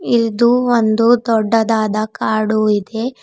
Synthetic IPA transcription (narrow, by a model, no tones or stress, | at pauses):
iɾd̪uond̪ud̪ɔɖːɐd̪aːd̪ɐkaːɽuid̪e̞